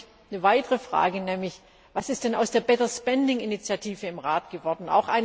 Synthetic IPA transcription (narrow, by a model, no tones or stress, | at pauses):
nəvaɪtəʁəfʁ̥a̰ːɡənɛːmlɪç | vasɪstd̥ɛna̰ʊsd̥eːɐbɛtɐspɛndɪŋɪnit͡sjatʰiːvəɪmʁaːtɡ̥əvɔɐdn̩a̰ʊxʔa̰ɪn